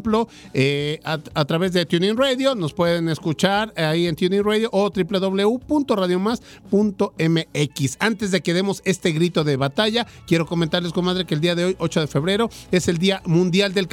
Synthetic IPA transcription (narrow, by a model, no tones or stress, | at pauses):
mplo̞ | eat̪ɾaβe̞zðe̞t̪junĩnreðjo̞no̞spwe̞ð̞e̞ne̞skut͡ʃaɾaient̪juninreðjoʔot̪ɾiple̞ðo̞βle̞upunt̪o̞raðjo̞mas | punt̪o̞e̞meekisant̪ezðe̞ke̞ðe̞mo̞se̞st̪e̞ɣɾit̪o̞ðeβat̪aʝa | kje̞ɾo̞ko̞ment̪aɾles̬konmaðɾekeld̪iaðe̞o̞jo̞t͡ʃo̞ðe̞fe̞βɾe̞ɾo̞e̞se̞ld̪iamũnd̪jald̪e̞lk